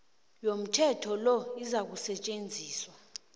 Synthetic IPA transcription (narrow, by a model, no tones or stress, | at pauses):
jom̩tʰɛtʰɔlɔizak̬usɛt͡ʃʼend͡zʱiːswa